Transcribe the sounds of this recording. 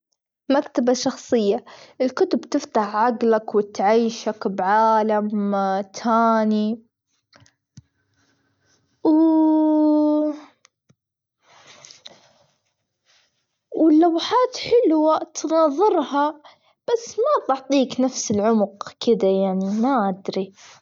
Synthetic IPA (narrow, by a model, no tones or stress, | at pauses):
makt̪abaʃɑxsˤɨjːaʔɪlkʊt̪ʊbt̪ɪft̪aħʕaɡlakwɪt̪ʕaːʃakbʕaːlamt̪ʰaːni | w | wɪlːawħaːt̪ħɪlwat̪nɑːðˤɨɾha | b̥asːmat̪ɑʕt̪ˤiːknafsɪlʕʊmʊqkʰɪd̪ajaʕnimaʔad̪ɾi